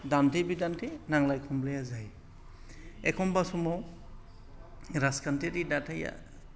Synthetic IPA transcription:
dantʰebidantʰenaŋlajkʰɔmlejazaj | ɛkʰɔmbasumɔw | ɾaskʰantʰetidatʰaja̰

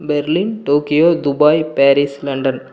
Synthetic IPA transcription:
bɛɾlinʈoːkɪjoːd̪ʊbaːjpaːɾislɐɳɖɐn

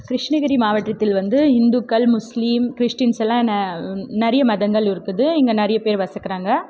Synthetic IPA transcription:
kɾɪʂɳɐɣɐɾimaːʋɐʈːɾɐt̪ːɪlʋɐnd̪ɯɦɪnd̪ukːɐlmʊsliːmkɪɾɪʂʈinsɛlːãːɛnːɐnɐɾɪjɐmɐðɐŋɡɐɭɪɾɯkːɯðɯɪŋɡɐnɪɾɪjɐpeːɾʋɐsɐkːɪɾaːŋɡɐ

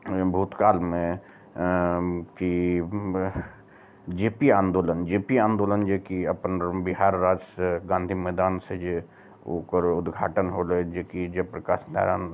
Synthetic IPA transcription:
bʱuːt̪kaːlmẽ | ki | d͡ʒeːpiãːnd̪oːlənd͡ʒeːpiãːnd̪oːlənd͡ʒekiəpnbɪɦaːɾːaːd͡ʒseɡãːnd̪ʱimɛːd̪aːnsed͡ʒe | o̰ːkəɾʊd̪ɡʱa̰ːʈənɦoːled͡ʒekid͡ʒepɾəka̰ːʃna̰ːɾa̰ːn

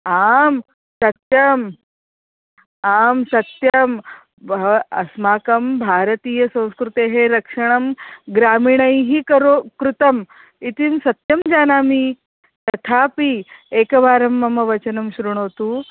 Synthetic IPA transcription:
aːm | sɐt̪jɐm | aːmsɐt̪jɐm | bɐsmaːkɐmbʱaːɾɐt̪iːjɐsɐ̃w̃skɾut̪eɦeɾɐkʂɐɳ̃ɐmɡɾaːmiːɳɐjɦikɐɾokɾut̪ɐm | it̪imsɐt̪jɐmd͡ʒaːnaːmi | t̪ɐt̪ʰaːpieːkɐbaːɾɐmːɐmːɐʋɐt͡ʃɐnɐmɕɾuɳ̃oːt̪uː

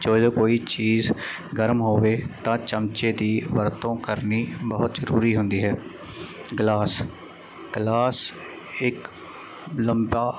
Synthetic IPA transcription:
t͡ʃoːd͡ʒoːkoːiːt͡ʃiːzɡəɾmɦoːʋeːt̪ãːt͡ʃəmt͡ʃeːd̪iːʋəɾt̪õːkəɾniːbəɦʊt̪zəɾṵːɾiːɦʊnd̪iːɦɛː | ɡlaːs | ɡ̥laːs | ɪk | ləmbaː

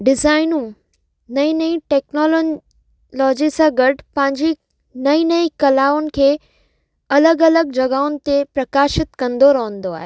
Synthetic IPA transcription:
ɖɪzaːɪnũ | nɐĩnɐĩʈɛːknɔːl | lɔːd͡ʑisãɡɐʈpɐ̃ɦɪ̃ɲd͡ʑi | nɐĩnɐĩkɐlaːʊnɪ̆kʰeː | ɐləɡɐləɡ̚d͡ʑɐɡaːʊnɪ̆t̪epɾɐkaːʃɪt̪kɐ̃nd̪oɾɐɦə̃nd̪oa̰ːɦeː

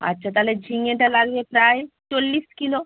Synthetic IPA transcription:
ɐ̰tːʃʰat̪aled͡ʒʱiŋeʈalaɡbepɾaet͡ʃolːiskilo

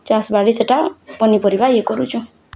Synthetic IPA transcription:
t͡ʃasbaɽiseʈapɔnipɔɾibajekɔɾut͡ʃʰu

